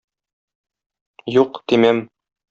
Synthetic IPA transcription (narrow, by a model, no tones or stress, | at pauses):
juqt̪imæm